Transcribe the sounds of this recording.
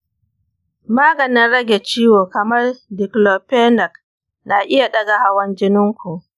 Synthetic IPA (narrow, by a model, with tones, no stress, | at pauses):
maː˦ɡɐ˨nɪ˦nɽɐ˦ɡʲe˨t͡ʃiː˦woː˨kɐ˨mɐ˦rdɪ˨kloː˨peː˦nɐ˨k | na˨ʔɪ˦ja˨ɗɐ˦ɡa˨ha˦wɐ˦nd͡ʒɪ˦nɪ˦ŋkʷu˨ʔ